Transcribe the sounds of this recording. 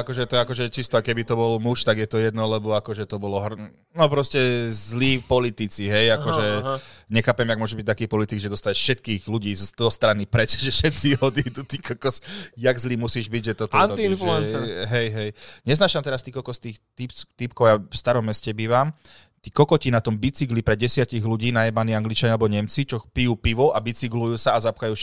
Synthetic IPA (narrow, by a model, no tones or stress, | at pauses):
akɔʒɛt̪ɔakɔʒɛt͡ʃist̪ɔakɛbit̪ɔbɔlmuʃt̪aɡjɛt̪ɔjɛd̪nɔlɛbɔakɔʒɛt̪ɔbɔlɔɦr | nɔpɾɔscɛzliːpɔlit̪it͡siɦɛjakɔʒɛɲɛxaːpɛmjaɡmʊɔʒubic̚t̪akiːpɔlit̪iɡʒɛd̪ɔst̪aɛʃfʃɛt̪kiːɣluɟiːzzɔst̪ɾanipɾɛt͡ʃʒɛʃɛt̪t͡siɦɔd̪it̪ut̪ikɔkɔsjaɡzliːmusiːʒbiɟʒɛt̪ɔt̪ɔniinfluɛnɦɛjɦɛjɲɛznaːʃamt̪ɛɾast̪iːkɔkɔst̪iːxt̪it̪ip̚kɔʊjafst̪aɾɔmːɛscɛbiːʋam | t̪iːkɔkɔcinat̪ɔmbit͡siɡlipɾɛɟɛsɪaciɣluɟiːnajɛmaniaŋɡlit͡ʃaɲalɛbɔɲɛmt͡sit͡ʃɔpijuːpiʋɔʔabit͡siɡlujuːsaazapxajuːʃ